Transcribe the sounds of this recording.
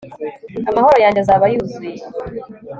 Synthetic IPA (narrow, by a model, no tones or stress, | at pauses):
amaho̞ɾo̞jaːɲɟezaβajuːzuje